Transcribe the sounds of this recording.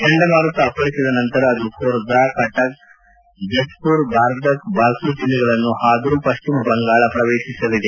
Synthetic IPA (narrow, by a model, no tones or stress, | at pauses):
kɐɳɖɐmaːɾɐt̪ːɐpɐɭisid̪ɐnɐnt̪ɐɾɐːd̪ukoːɾd̪aːkɐʈɐk | d͡ʒɐspuːɾbʱaːɾd̪ɐkbʱaːlsuːt͡ʃilːiɡɐɭɐnːuhaːd̪ɐɾupɐʃt͡ʃimɐbɐŋɡaːɭɐpɾɐʋeːʃisɐlid̪e